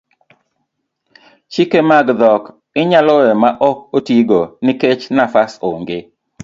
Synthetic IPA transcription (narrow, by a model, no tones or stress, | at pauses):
t͡ʃikemaɡd̪ɔk | ɪɲalɔɛmaʔɔkotiɡonɪket͡ʃnafasoŋɡe